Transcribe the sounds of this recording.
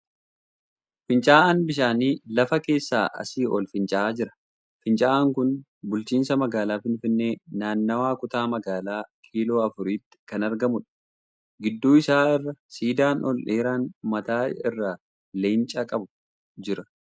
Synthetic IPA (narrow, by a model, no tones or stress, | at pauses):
fɪnt͡ʃʼaːaːnbɪʃ̬aːniːlɐfɐke̞ːsːaːʔɐ̰siːʔɔlfɪnt͡ʃʼɐaːd͡ʒɪɾɐ̥ | fɪnt͡ʃʼaːʔaːŋkʊn | bʊlt͡ʃiːnsɐmɐɡaːlaːfɪnfɪnːe̞ːnaːnːɐwaːkʊt̪aːmɐɡaːlaːkʰiːlo̞ːɐfʊɾiːt̪ːɪ̥kɐnɐɾɡɐmʊᶑɐ̥ | ɡɪd̪ːuːɪsaːɪrːɐsiːd̪aːnɔlʔeːɾaːnmɐt̪aːɪrːa | leːnt͡ʃʼɐkʼɐbʊ̥ | d͡ʒɪɾɐ̥